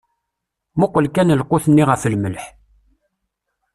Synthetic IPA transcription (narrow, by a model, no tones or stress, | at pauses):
muqʷːəlkænəlqːʊθənːiʁəfəlməlħ